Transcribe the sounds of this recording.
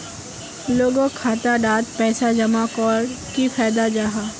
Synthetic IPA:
loːɡõkʰaːt̪aɖaːt̪pɛːsad͡ʒɐmakɔːɾ | kipʰɛːd̪ad͡ʒaːɦaː

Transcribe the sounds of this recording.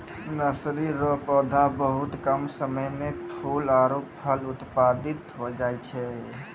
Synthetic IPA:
nəsɾiɾɔpɔd̪ʱabəɦut̪kəmsəməjmepʰulaɾoppʰəlut̪pad̪it̪ɦod͡ʒajt͡ʃʰɛ

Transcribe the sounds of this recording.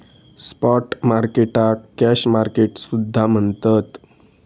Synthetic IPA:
spɔʈmaɾkeʈakæɕmaɾkeʈsud̪ʱːam̤əɳt̪ət̪

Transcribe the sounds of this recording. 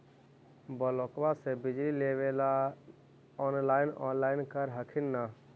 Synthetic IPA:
bəlokbasebɪd͡ʒlilewela | ɔnlaːɪnɔ̰ːnlaːɪnkəɾɦəkʰinːa

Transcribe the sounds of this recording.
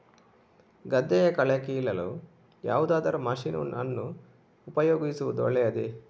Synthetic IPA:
ɡɐd̪ːɛjɐkɐɭɛkilɐlu | ja̰ːʋud̪aːd̪ɐɾumɐʃino̰nɐnːu | upɐjoːɡisuʋud̪uɔ̰ɭɛjɐd̪e

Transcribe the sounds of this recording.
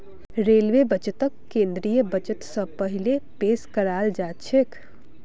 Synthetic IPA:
ɾeːlʋebɐt͡ʃət̪əkːẽːnd̪ɾijəbɐt͡ʃət̪səpəɦɪlepeːʃkəɾaːld͡ʒaːt͡ʃʰek

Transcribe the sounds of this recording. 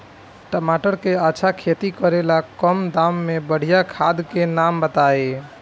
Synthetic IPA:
ʈəmaʈəɾkeaːt͡ʃʰakʰet̪ikəɾelakəmd̪amːebəɽ̤ijakʰad̪kenambət̪ae

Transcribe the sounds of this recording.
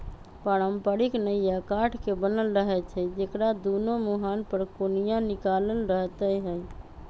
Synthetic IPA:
paɾəmpaɾiknəijakaʈʰkebənəlɾəɦɛt͡ʃʰɛd͡ʒekɾad̪onomoɦanpəɾkonijãnikaləlɾəɦt̪əjɦəj

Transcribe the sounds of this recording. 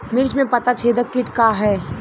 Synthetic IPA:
mɪɾt͡ʃmẽpɐt̪at͡ʃʰeːd̪əkːɪʈkaɦɛː

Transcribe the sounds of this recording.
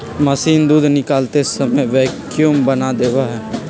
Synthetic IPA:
məsiːnd̪uːd̪ʱnɪkaːlt̪esəməjʋɛːk | jumbənad̪eːʋaɦɛː

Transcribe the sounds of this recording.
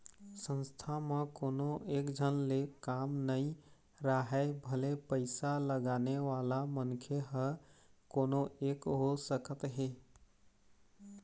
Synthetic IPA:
sə̃nst̪ʰamẽkoːnõʔeːkd͡ʒʱənlekaːmnəĩ | ɾaɦɛbʱəlepəɪsaləɡaːneʋaːlamənkʰeɦəkoːnoʔeːkɦosəkət̪ɦeː

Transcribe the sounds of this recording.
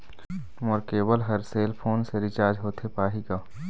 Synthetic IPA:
məɾkeːbəlɦɐɾseːlpʰoːnseɾɪt͡ʃaːɾd͡ʒɦoːt̪ʰepaːɦikaː

